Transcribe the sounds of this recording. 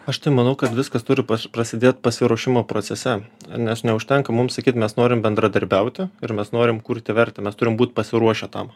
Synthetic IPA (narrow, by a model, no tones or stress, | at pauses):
ɐʃt̪ɐɪmɐnɐʊkɐt̪ʋʲɪskɐst̪ʊɾʲɪpɐprɐsʲɪd̪ʲeːt̪pɐsʲɪɾuɔʃʲɪmoːpɾoːsʲɛsʲɛnʲɛsnʲɛʊʃʲt̪ʲɛŋkɐmʊmsɐkʲiːt̪mʲɛsnoːɾʲɪmbʲɛnd̪ɾɐd̪ɐɾʲbʲɛʊt̪ʲɪɪɾmʲɛsnoːɾʲɪmkuːɾʲt̪ʲɪʋʲɛɾʲt̪ʲɛmʲɛst̪ʊɾʲɪmbuːt̪pɐsʲɪɾuɔʃʲɛt̪ɐ̰m